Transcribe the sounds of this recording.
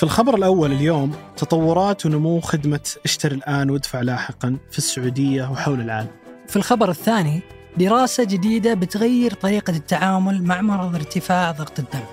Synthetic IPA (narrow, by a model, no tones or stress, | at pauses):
filxɑbɑɾˤɪlʔawːalɪljoːmt̪ɑt̪ˤɑwːʊɾˤɑːt̪wnʊmuːwxɪd̪maʔaʃt̪aɾilʔaːnwɪd̪faʕlaːħɪqɑnfisːʊʕuːd̪ɪjːawħawlɪlʕaːlamfilxɑbɑɾˤɪθːaːni | d̪ɪɾɑːsad͡ʒɪd̪iːd̪abɪt̪ɣajːɪɾt̪ˤɑɾiːqat̪ːaʕaːmʊlmaʕmɑɾˤɑðˤɪɾt̪ɪfaːʕðˤɑɣt̪ˤɪd̪ːam